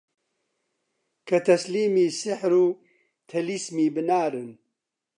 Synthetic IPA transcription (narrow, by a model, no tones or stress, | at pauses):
kʰɐt̪ʰɐsliːmiːsɪħɾuː | t̪ʰɐlismiːbɨnaːɾɨn